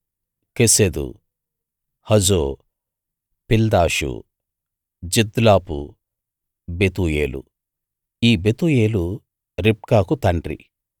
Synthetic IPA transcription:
kesed̪ṵ | hɐd͡ʒoː | pild̪aːʃṵ | d͡ʒid̪laːpṵ | bet̪uːjeːlṵ | iːbet̪uːje̞ːlu | ɾip̚kaːkut̪ɐɳɖɾḭ

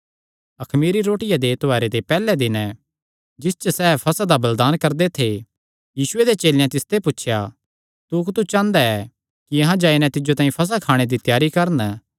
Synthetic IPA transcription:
ɐkʰmiːɾiɾoːʈɪjad̪et̪oaːɾed̪epɛːlɛd̪ɪnɛ | d͡ʒɪst͡ʃəsɛːpʰɐsad̪abɐld̪aːnkɐɾd̪et̪ʰe | jiːʃʊed̪et͡ʃeːljãt̪ɪst̪ʰepʊːʃʰja | t̪ukt̪ut͡ʃãːnd̪aɛ | kiɐɦãd͡ʒaːinɛ̃t̪ɪd͡ʒot̪aːĩpʰɐs̬akʰaːɽ̃ed̪it̪jaːɾikɐɾən

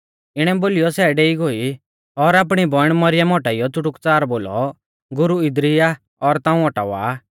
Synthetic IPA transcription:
ɪɽ̃ɛboːlɪjɔsɛɖeːiɡoi | ɔɾaːp̬ɽ̃ibɔɽ̃mɐɾɪjəmɔʈaijɔt͡sʊʈʊkt͡saːɾboːlɔ̰ | ɡʊɾuɪd̪ɾia | ɔɾt̪ãːũɔʈa̰ʋa̰ː

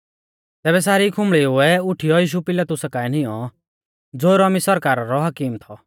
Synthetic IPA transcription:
t̪ɛːbɛs̬aːɾikʰʊ̃mɭiɦʊɛʊʈʰijɔjiːʃ̬upɪlat̪ʊsakaːɛn̤ɪjɔ | d͡zoːɾɔmisɔɾkaːɾaɾɔɦɐkiːmt̪ʰɔ

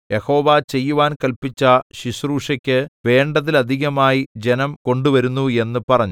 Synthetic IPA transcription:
jʔeho̞ːʋat͡ɕe̞jːuʋaːnkɐlpit͡ɕːɐɕiɕruːʂɐkʲːɨʋe̞ːɳɖɐðilɐd̪ʱiɣɐmaːjid͡ʑenɐmko̞ɳɖuʋɐɾunːue̞nːɨpɐrɐɲːu

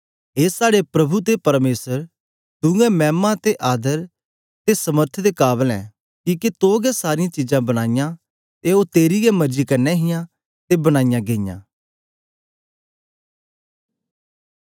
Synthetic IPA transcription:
ɦeːsaːɽepɾɐbʱut̪̬epɐɾmeːsəɾ | t̪ʊ̃ɛ̃mɛːmãt̪eʔaːd̪əɾ | t̪esɐməɾt̪ʰd̪ekaːbəlɛ̰ː | kiːkit̪oːɡɛsaːɾɪjãt͡ʃid͡ʒãbɐɽ̃aːɪjã | t̪eot̪eːɾijɛmɐd͡ʒikɐɾnɛɦɪjã | t̪ebɐɽ̃aːɪjãɡeːɪjã̰ː

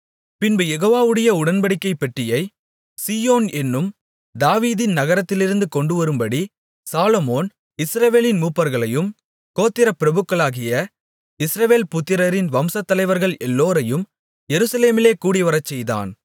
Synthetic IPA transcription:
pɪnbɯjɛɣoːʋaːʋɯɽɐjɐʊɽɐnbɐɽɪkːɐɪpːɛʈrɪjɐɪ | siːjoːnɛnːɯm | d̪aːʋiːðɪnnɐɣɐɾɐt̪ːɪlɪɾɯnd̪ɯkɔɳɖɯʋɐɾɯmbɐɽi | saːlɔmoːn | ɪsɾɐʋeːlɪnmuːpːɐɾɣɐɭɐjɯm | koːt̪ːɪɾɐpɪɾɐbɯkːɐɭaːɣɪjɐ | ɪsɾɐʋeːlpʊt̪ːɪɾɐɾɪnʋɐmsɐt̪ːɐlɐɪʋɐɾɣɐɭɛlːoːɾɐjɯm | jɛɾɯsɐleːmɪleːkuːɽiʋɐɾɐt͡ʃːɛjða̰ːn

